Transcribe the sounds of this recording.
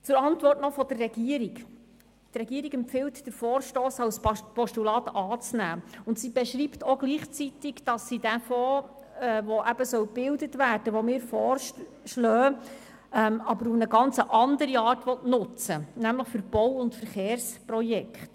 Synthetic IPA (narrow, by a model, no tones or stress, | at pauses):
t͡sʊɾɑntʋɔrtnɔfɔd̥ərːɛɡ̥iəɾik | trɛɡiːəɾiɡɛmpfɪltd̥əɾfɔːɾʃtoːsɑwspɔʃtulɑːtɑːt͡snæːʊntsiːbɛʃɾiːptoɡliːχt͡sitɪɡd̥ɑsːid̥æfɔː | ɛʋɔʔæbəsœwb̥ɪldətʋæːrd̥əʋɔmɪːɾfɔːr | ʃlœː | ɛmɑbəɾufnəɡɑnt͡səʔɑndəɾiɑːrtʋɔtnʊt͡sənæmləχfʏɾb̥ɔwʊntfəɾχeːɾsprɔjɛkχt